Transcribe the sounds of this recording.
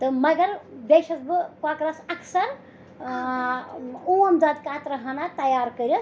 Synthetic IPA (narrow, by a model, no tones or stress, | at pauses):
t̪ɨmɐɡɐɾbeʃɐsbɨkakɾɐsɐkʰsɐɾ | uɐmd͡zad̪kat̪ɾɐɦɐnat̪ɐjaːɾkəɾɐ